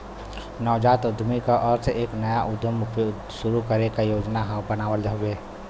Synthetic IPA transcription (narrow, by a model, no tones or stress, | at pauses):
nɔːd͡ʒaːt̪ʊd̪ʱmikaʔɔːɾseʔeːknɐjaʔʊd̪ʱəmp | ʃʊɾukəɾekajoːd͡ʒnaɦãbənaːwəld͡ʒəɦʊbeː